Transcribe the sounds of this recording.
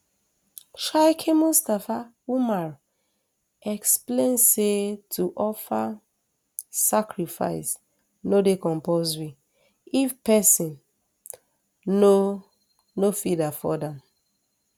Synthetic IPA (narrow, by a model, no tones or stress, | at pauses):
ʃaɪkʰemustafa | umaɹ | ɛksplẽnsetʰuʔɔfa | sakɹifa̰ɪs | nodekɔ̃mpozwi | ifpɛsĩn | o | nofidafɔdɛ̃m